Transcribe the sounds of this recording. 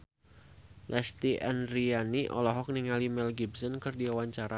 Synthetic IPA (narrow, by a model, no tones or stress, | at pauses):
lʔɛst̪iʔɛnɾianiʔɔ̰lɔɦɔk̚niŋalimɛlɡibsɔnkɨrdiawaɲt͡ʃaɾa